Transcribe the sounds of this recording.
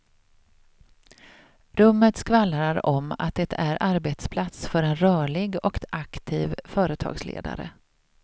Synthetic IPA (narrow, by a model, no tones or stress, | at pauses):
ɾɵmːət̪skvalːɾaɾɔma̰t̪̚d̪ɛt̪ʰæɾʔaɾbet̪spʰlat̪sfœɾɛnɾœːɭɪɡɔkakt̪ʰiːvfœːɾət̪ʰɑ̰ːɡslḛːd̪a̰ɾə̰